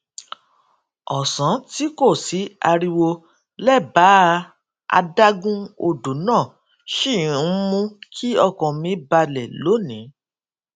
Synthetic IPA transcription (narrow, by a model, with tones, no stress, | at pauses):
ɔ˨sã˨˦ti˨˦ko˦˨si˨˦a˧ɾi˧wo˧ | lɛ˦˨ba˨˦˧ | a̰˧da˦ɡũ˦o˧do˨˦nãː˦˨ | ʃi˦˨˦mũ˧kʰi˦ɔ˦˧kɔ̃˨mĩ˧ba˧lɛ˨lo˨˦nĩ˨˦